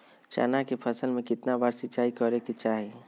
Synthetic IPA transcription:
t͡ʃa̰ːnakepʰəsəlmẽkɪt̪nabaːɾsɪt͡ʃaːikɔɾeket͡ʃaːɦe

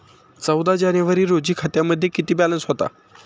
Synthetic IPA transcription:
t͡səwd̪ad͡ʑanjəʋəɾiːɾod͡ʑiːkʰət̪jaməd̪ʱːjekit̪iːbælə̃nsɦot̪a̰

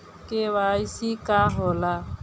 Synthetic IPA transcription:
kewaisikʼaɦɔla

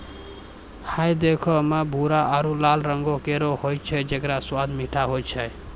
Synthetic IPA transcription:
hʰajd̪ekʰɔmebʱuɾaʔaɾulalɾəŋɡokeɾohojt͡ʃʰɛd͡ʒekɾaswad̪miʈʰaɦojt͡ʃʰɛ

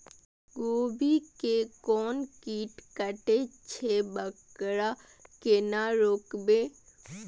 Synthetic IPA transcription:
ɡoːbikekɔːnkiːʈkəʈet͡ʃʰebəkɽa | kenaɾoːkbe

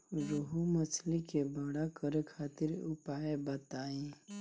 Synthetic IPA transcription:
ɾoɦumət͡ʃʰlikebəɽakəɾkʰaːt̪ɪɾʊpaːjebət̪aːẽ

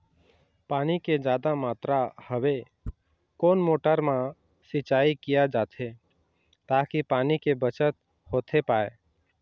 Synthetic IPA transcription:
paːniked͡ʒjaːd̪amaːt̪ɾahəwe | koːnmoːʈəɾmã | sɪt͡ʃaːikijad͡ʒaːt̪ʰe | t̪aːkipaːnikebət͡ʃət̪̚ | hoːt̪ʰepaːe

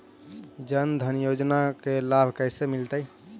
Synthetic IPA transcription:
d͡ʒənd̪ʱənjod͡ʒnakelabʱkəɪsemilt̪əj

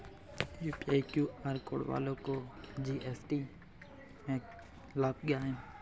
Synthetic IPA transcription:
juːpiaːjkjuːaːɾko̰ːɽʋa̰ːlõkoːd͡ʒiːʔɛːsʈiː | mẽːk | laːpɡjaːɦẽn

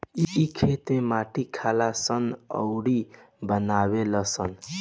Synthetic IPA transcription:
iːkʰet̪mẽmaʈikʰalasʌnʌ̰wɽi | bənaβelʌsʌn

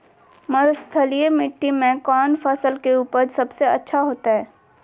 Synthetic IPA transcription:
mɐɾʊst̪ʰəlijemɪʈːimẽkɔːnfɐsəlkeuːpəɾsɐbseɐ̰tːʃʰaɦoːt̪aɦɛː

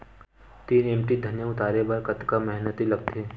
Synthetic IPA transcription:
t̪iːneːmʈid̪ʱɐnjaʊt̪aːɾebaɾkɐt̪kamɛɦnət̪ilɐɡ̚t̪eː

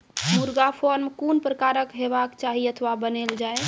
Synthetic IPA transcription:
muɾɡapʰɔɾmkunpɾəkaɾəkɦebakt͡ʃaɦiət̪ʰʋabəneld͡ʒae

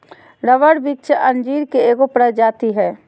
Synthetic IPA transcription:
ɾəʋəɽbikt͡ʃəʔɐ̃nd͡ʒiːɾkeeːɡopɾəd͡ʒaːt̪iɦɛː

